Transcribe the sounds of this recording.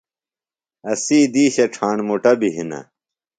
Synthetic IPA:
ɐsiːd̪iːɕɐʈ͡ʂʰaːɳmoʈɐbiɦinɐ̰

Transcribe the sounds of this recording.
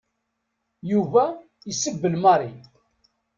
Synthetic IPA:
juvæ | isəbːəlmɑɾˤi

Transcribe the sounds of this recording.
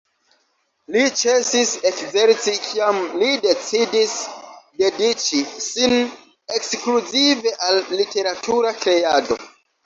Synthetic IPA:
lit͡ʃe̞sise̞kze̞ɾt͡sikʰiamlide̞t͡sidisde̞dit͡ʃisin | ekskluzive̞ʔalːite̞ɾatʰuɾakɾe̞ado̞̰

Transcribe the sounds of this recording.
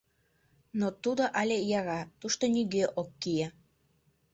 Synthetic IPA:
not̪ud̪oʔɑlʲejɑɣɑt̪uʃt̪oniɣøʔokːije

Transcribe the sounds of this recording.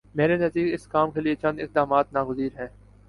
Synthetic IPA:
meːɾenɐsiːkɪskaːmkeliet͡ʃɐ̃nd̪ɪq̚d̪aːmaːt̪naːɡʊziːɾɦɛ̃ː

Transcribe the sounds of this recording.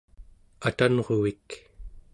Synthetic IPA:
at̪anʁo̞vik

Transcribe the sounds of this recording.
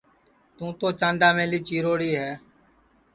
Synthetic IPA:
t̪ũːt̪oːt͡ʃãːnd̪aːmẽːliːt͡ʃiːɾoːɽiːɦɛː

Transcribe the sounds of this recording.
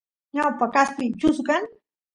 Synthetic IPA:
ɲawpakast̪ɪjt͡ʃʊsɢaŋ

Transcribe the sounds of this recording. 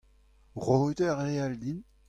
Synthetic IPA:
ʁot̪øʁeald̪in

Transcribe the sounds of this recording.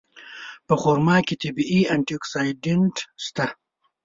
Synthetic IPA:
pəχoɾmɑːket̪ɪbiiaɳʈioksajɖeɳʈst̪a

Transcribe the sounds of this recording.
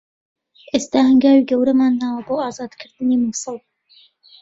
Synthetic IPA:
ʔeːst̪aːhɨŋɡaːwiɡɐwɾɐmaːnːaːwɐboːaːzaːd̪kʰɨɾd̪ɨniːmuːsɨlˠ

